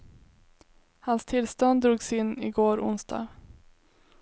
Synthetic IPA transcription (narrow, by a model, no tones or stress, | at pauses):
hanst̪ʰɪlst̪ɔnd̪d̪ɾuːɡsɪnːɪɡoːɾʊ̰nsd̪̥ɑ̰ː